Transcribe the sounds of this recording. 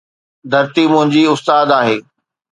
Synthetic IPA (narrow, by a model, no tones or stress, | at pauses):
d̪ʱɐɾt̪imʊ̃ɦɪ̃ɲd͡ʑiʊst̪aːd̪aːɦeː